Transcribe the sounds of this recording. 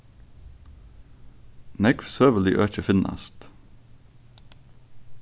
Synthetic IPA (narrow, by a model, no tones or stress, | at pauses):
nɛkfsøːʋəlɪ̰ʔøːc͡çəfɪnɑ̰st̪